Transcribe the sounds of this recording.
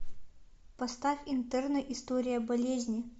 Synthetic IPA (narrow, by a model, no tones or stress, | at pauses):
pɐst̪afʲɪnt̪ɛrnəʔɪst̪oɾʲɪjəbɐlʲezʲnʲɪ